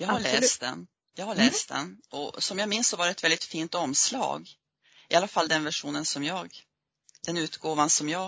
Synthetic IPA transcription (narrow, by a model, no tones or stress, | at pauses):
jɑːɡhaɭɛːst̪d̪ɛ̰n | jɑːhaɭɛːst̪̚d̪ɛ̰nʔɔsɔmjɑɡmɪnsːɔvaɖɛt̪vɛld̪ɪt̪fiːnt̪ɔmslɑ̰ːɡ | ɪalːafalːd̪ɛnvæʂuːnənsɔmjɑːɡ | d̪̥ɛnʉ̟ːt̪ɡoːvansɔmjɑː